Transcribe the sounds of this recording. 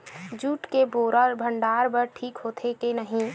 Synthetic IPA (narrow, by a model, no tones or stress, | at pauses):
d͡ʒuːʈkeboːɾəɾbʱə̃ɳɖaːɾbəɾʈʰiːkɦoːt̪ʰekenəɦĩ